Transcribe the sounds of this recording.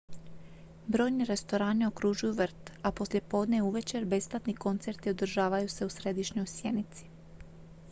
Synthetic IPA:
bɾo̞ːjneɾe̞st̪o̞ɾaːnio̞kɾuʒujuʋr̩t̪apo̞slje̞po̞ːd̪neuʋe̞t͡ɕe̞ɾbe̞splat̪niko̞nt̪se̞ɾt̪io̞d̪r̩ʒaːʋajuse̞usɾe̞d̪iʃɲo̞jsje̞nit̪si̥

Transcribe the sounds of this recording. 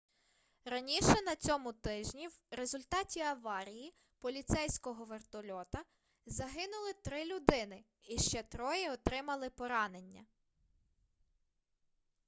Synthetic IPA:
ɾɐnʲiʃɛnɐt͡sʲɔmʊt̪ɪʒnʲiwɾezʊlʲt̪ɑtʲiɐʋɑɾʲiji | pɔlʲit̪sɛjsʲkɔɦɔʋert̪ɔlʲɔt̪ɐ | zɐɦɪnʊlˠɪt̪ɾɪlʲʊd̪ɪnɪ | iʃt͡ʃɛt̪ɾɔjɪɔt̪ɾɪmɐlˠɪpɔɾɑne̞nʲːɐ̰

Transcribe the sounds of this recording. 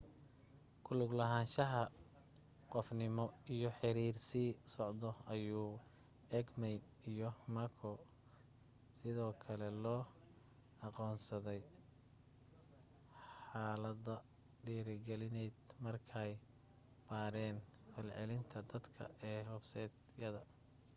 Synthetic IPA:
kʰʊlʊɡlɐɦaːnʃɐɦɐ | qɔfnɪmɔijɔħɪɾiːrsiːsɔʕd̪ɔɐjuː | ɛːɡmɛj | ijɔmɐkʰɔ | sɪðɔːkʰɐlɛlɔː | ɑqɔːnsɐðɛj | ħaːlɐðɐ | ɖiːɾɪɡɛlɪnɛjd̪mɐrkʰɛj | b̥aːɾɛːnfɐlʕɛ̰lɪnt̪ʰɐd̪ɐd̪kʰɐ̰ɛːhɔbsɛːd̪ | jɐðɐ

